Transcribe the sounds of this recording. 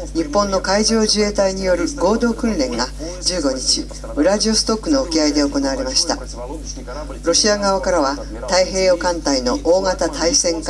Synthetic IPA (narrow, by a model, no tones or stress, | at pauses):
ɲ̟ipːõ̞nːo̞kaiʑo̞ːʑɨe̞ːt̪aiɲ̟ijo̞ɾɯ̟ɡo̞ːd̪o̞ːkɯ̟̃nɾẽ̞ŋɡa | d͡ʑɨːɡo̞ɲ̟it͡ɕi | bɯ̟ɾaʑio̞sɨ̥t̪o̞kːɯ̟no̞ːkʲiaid̪e̞oko̞naβaɾe̞maɕi̥t̪a̰ | ɾo̞ɕiaɡaβakaɾaβa | t̪aiɦe̞ːo̞kãnt̪aino̞ʔoːŋat̪at̪aisẽ̞ŋk